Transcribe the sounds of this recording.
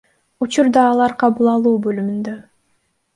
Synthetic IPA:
ut͡ʃuɾd̪ɑːlˠɑɾqʰɑβulˠɑlˠuːbølymynd̪ø

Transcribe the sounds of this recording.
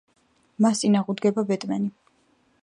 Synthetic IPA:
masʼinaʁud̪ɡɛbabɛt̪ʼmani

